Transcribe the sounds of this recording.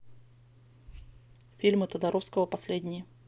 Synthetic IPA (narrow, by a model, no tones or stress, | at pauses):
fʲilʲmɨt̪əd̪ɐɾofskəvəpɐsʲlʲedʲnʲɪjə